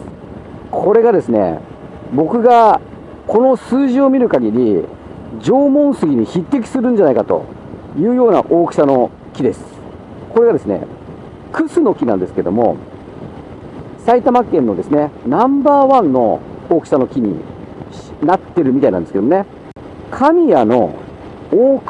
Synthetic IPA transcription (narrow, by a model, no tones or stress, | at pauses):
kʰo̞ɾe̞ɡad̪e̞sɨne̞̰ | bo̞kɯ̟ɡa | kʰo̞no̞sɨːʑio̞mʲiɾɯ̟kaɡʲiɾʲi | d͡ʑo̞ːmõ̞ɰ̃sɨɡʲiɲ̟içit̪ːe̞kʲi̥sɨɾɯ̟̃ɲ̟d͡ʑanaikat̪o̞̰ | jɯ̟ːjo̞ːna̰ʔo̞ːki̥sano̞ | kʲid̪e̞sɨ̥ | ko̞ɾe̞ɡad̪e̞sɨne̞̰ | kɯ̟sɨno̞kʲinã̰nd̪e̞sɨ̥ke̞d̪o̞̰mo̞̰ | sait̪amakːẽ̞nːo̞d̪e̞sɨne̞nãmbaːβãnːo̞̰oːkɯ̥sano̞kʲiɲ̟ḭɕnat̪ːe̞ɾɯ̟mʲit̪ainãnd̪esked̪omne | kʰamʲijano̞̰ | oːk